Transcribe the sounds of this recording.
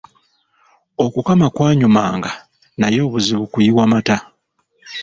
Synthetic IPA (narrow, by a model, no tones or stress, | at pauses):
o̞kukamakwaːɲuma̰ːŋɡa | najo̞ːβuziβukujiwamata